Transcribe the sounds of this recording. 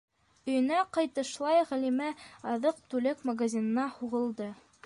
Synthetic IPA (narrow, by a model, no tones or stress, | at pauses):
ɵ̆jɵ̆næqɑjt̪ɤ̆ʃlˠɑjʁælimæɑðɤq̚t̪ʉlɘkmaɡazʲinɤ̆nɑhuʁɤ̆lˠd̪ɤ